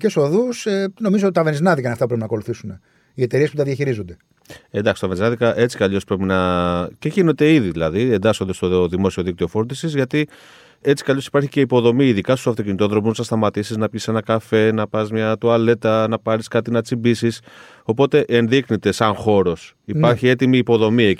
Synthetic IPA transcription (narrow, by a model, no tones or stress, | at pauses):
ceso̞ðuseno̞mizoot̪it̪ɐveniznɐðikɐinɐft̪ɐpɾepinɐko̞luθisune̞ | ie̞t̪e̞ɾie̞sput̪ɐðjɐçiɾizond̪e̞ | end̪ɐksi̥st̪ɐve̞niznɐðikɐʔe̞t͡si̥kɐʎo̞spɾe̞pinɐceʝinot̪e̞iðiðilɐðiend̪ɐsond̪est̪o̞ðimo̞sio̞ðik̚t̪io̞fo̞ɾd̪isizʝɐt̪i | e̞t͡si̥kɐʎo̞si̥pɐɾçice̞ipo̞ðo̞miːðikɐst̪usɐft̪o̞cinit̪o̞ðɾo̞muznɐst̪ɐmɐt̪isiznɐpʝise̞nɐkɐfe̞nɐpɐzmɲɐt̪uɐle̞t̪ɐnɐpɐɾiskɐt̪inɐt͡sibisis | o̞po̞t̪e̞ʔe̞nðixnet̪e̞sɐnxo̞ɾo̞s | ipɐɾçie̞t̪imiːpo̞ðo̞mie